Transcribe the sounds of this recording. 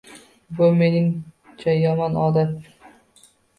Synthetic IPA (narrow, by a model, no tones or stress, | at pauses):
bʊme̞nɪŋt͡ʃʰajɒmɒnɒːd̪at̪